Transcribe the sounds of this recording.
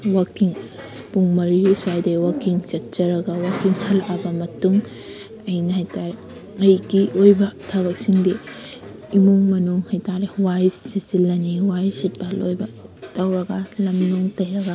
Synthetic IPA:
wɐkiŋ | puŋmɐɾijusuajdɐwɐkiŋt͡ʃɐt̚t͡ʃɐɾɐɡɐwɐkiŋhɐlabɐmɐtuŋ | ɐjnɐɦajtaɾe | ɐjɡiojbɐtʰaβɐk̚siŋdi | imuŋmɐnuŋhajtaɾewajssisilːɐniwajsit̚balojbɐtɐwɾɐɡɐlɐmnuŋtɐjɾɐɡa

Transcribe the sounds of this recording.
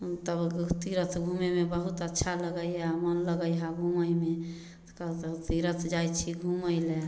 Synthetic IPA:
t̪əbt̪iɾət̪ʰɡʱumemebəɦut̪ətːʃʰaləɡəjɦamənləɡəjɦaɡʱuməjme | kət̪t̪iɾət̪ʰd͡ʒajt͡ʃʰiɡʱuməjle

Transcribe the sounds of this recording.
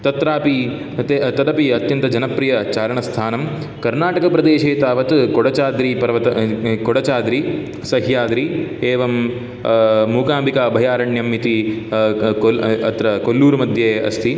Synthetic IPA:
t̪ɐt̪ɾaːpi | t̪et̪ɐd̪ɐpiɐt̪jɐnt̪ɐd͡ʒɐnɐpɾijɐt͡ʃaːɾɐɳɐst̪ʰaːnɐm | kɐɾnaːʈɐkɐpɾɐd̪eːʃeːt̪aːʋɐt̪koɽɐt͡ʃaːd̪ɾipɐɾɐʋɐt̪ɐkoɽɐt͡ʃaːd̪ɾi | sɐɦjaːd̪ɾieːʋɐm | uːkaːmbikaːɐbʱɐjaːɾɐɳjɐmːit̪i | oɐ̰t̪ɾɐkolːuːɾumɐd̪ʱjeːɐ̰st̪ʰi

